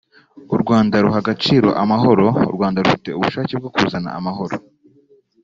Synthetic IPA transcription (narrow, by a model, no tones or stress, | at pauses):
uɾɡwaːndaɾuɦaɡat͡ʃiːɾo̞̰ʔamaɦo̞ɾo̞ṵɾɡwaːndaɾufite̞uβuʃaːceb̚ɡokuzana̰a̰maɦo̞ɾo̰